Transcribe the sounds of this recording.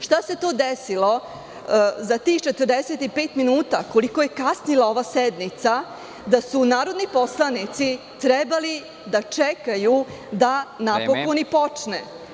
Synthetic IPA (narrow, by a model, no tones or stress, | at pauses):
ʂt̪ase̞t̪o̞ːd̪esilo̞ | zat̪ixt͡ʃet̪ərd̪eset̪ipeːt̪minuːt̪ako̞liko̞je̞kasnilˠao̞ʋased̪nit̪sa | d̪asunaːɾo̞d̪nipo̞slˠanit̪si | t̪ɾɛbali | d̪at͡ʂekajud̪anapokonipo̞t͡ʂne